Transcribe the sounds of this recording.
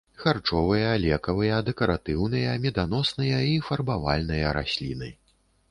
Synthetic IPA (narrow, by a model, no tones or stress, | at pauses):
xart͡ʂɔvɨjɐlʲɛkɐvɨjɐd̪ɛkɐɾat̪ɨwnɨjɐmʲɛd̪anɔsnɨjɐifɐrbava̰lʲnɨjɐɾa̰sʲlʲḭnɨ